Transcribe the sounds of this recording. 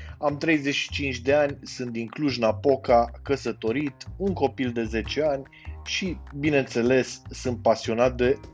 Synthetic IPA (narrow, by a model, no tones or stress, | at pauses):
amt̪ɾe̞jze̞ʃi̥t͡ʃint͡ʃʲd̪e̞anʲsɨnt̪iŋkluʃɨnapo̞kakəsət̪o̞ɾit̪uŋko̞pild̪e̞ze̞t͡ʃe̞anʲ | ʃibine̞nt̪se̞le̞sːɨnt̪̚pasio̞nat̪̚d̪e̞